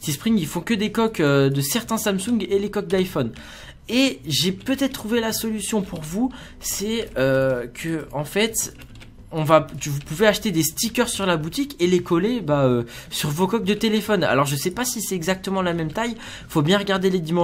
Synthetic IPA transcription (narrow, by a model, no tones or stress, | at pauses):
sispχiŋilfɔ̃kəd̪ekɔkød̪əsɛʁt̪ɛ̃samsũɡelekɔk̚d̪ajfɔn | eʒepøt̪ɛt̪t̪ːχuvelasɔlysjɔ̃puʁvu | sɛøkʰəɑ̃fɛt̪ | ɔ̃vavupuveaʃt̪ed̪est̪ikʲœʁsyʁlabut̪ikʲelekɔlebaøsyʁvokɔk̚d̪ət̪elefɔna̰lɔʁʒəsɛpasisɛt̪ɛɡzak̚t̪əmɑ̃lamɛmt̪aj | fobjɛ̃ʁəɡʲaʁd̪eled̪imɑ̃